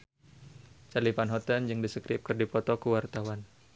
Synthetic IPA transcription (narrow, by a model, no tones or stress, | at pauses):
t͡ʃalipanɦɔt̪ɛnd͡ʒɨŋdisəkɾɪp̚kɨrdipɔt̪ɔkuwart̪awan